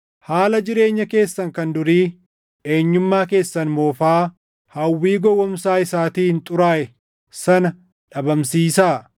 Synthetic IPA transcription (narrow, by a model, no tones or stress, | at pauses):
haːlɐd͡ʒɪɾe̞ːɲːɐke̞ːsːɐŋkɐnd̪ʊɾiː | e̞ːɲːʊmːaːke̞ːsːɐnmoːfaː | hɐwːiːɡɔwːɔmsaːɪsaːt̪iːhɪnt̪ʼʊɾaːʔɛ | sɐnɐ | ᶑɐbɐmsiːsaː